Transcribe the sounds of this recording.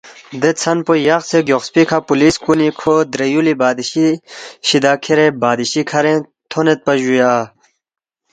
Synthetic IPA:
d̪et͡sʰɐnpojɐxseɡjoxspikʰapuliskunikʰod̪ɾejulibaːd̪iɕiɕid̪aːkʰeɾebaːd̪iɕikʰɐɾẽ | t̪ʰonet̪̚pɐʑujaa

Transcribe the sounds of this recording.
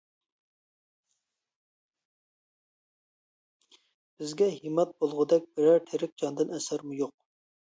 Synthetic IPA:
b̥ɪzɡʲɛɦimɑt̪̚bolˠʁʊd̪ɛk̚ʲbɪɾæɾt̪ʰeɾɪk̚ʲd͡ʒɑnd̪ɨnɛsæɾmujoq̚

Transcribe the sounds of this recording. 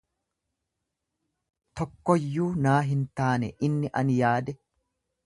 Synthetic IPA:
t̪ɔkːɔjːuːnaːɦɪnt̪aːnɛʔɪnːɪʔɐnjaːd̪ɛ

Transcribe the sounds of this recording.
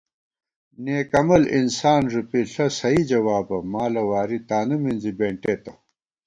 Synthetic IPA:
neːkɐmɐlḭnsaːnʐupiɬɐsɐid͡ʑɐwaːbɐmaːlɐwaːɾit̪aːnɐminzibeːɳʈeːt̪ɐ

